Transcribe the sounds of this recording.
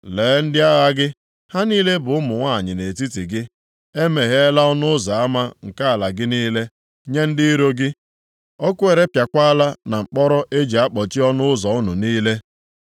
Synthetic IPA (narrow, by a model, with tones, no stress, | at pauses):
leː˨˦n̩˦dɪ˦a˦ɣa˦ɡɪ˦ | ha˦niː˦le˦bʊ˨ʊ˦mʊ˨ŋʷa˦˨ɲɪ˨ne˨ti˦ti˨ɡɪ˦ | e˦me˨ɦe˦e˦la˦ɔ˦nʊ˦ʊ˦za˨a˦ma˦ŋ̩˨ka˦a˨la˨ɡɪ˦niː˦le˦ | ɲe˦n̩˦dɪ˦i˦ɾo˦ɡɪ˦ | ɔ˦kʊ˦e˨ɾe˦pja˨kʷa˦a˦la˦na˨ŋ͡m̩˨k͡pɔ˦ɾɔ˦ʔe˦d͡ʒi˨a˦k͡pɔ˨t͡ʃi˦ɔ˦nʊ˦ʊ˦zɔ˨ʊ˦nʊ˨niː˦le˦